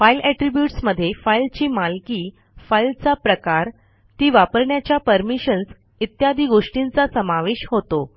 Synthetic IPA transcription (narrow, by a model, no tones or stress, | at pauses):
failɛʈɾibjuʈsməd̪ʱːjefailt͡ɕiːmalkiː | failt͡sapɾəkaɾ | t̪iːʋapəɾɳjat͡ɕjapəɾmiɕəns | it̪jad̪ʱiːɡoʂʈint͡sasəmaʋeɕɦot̪o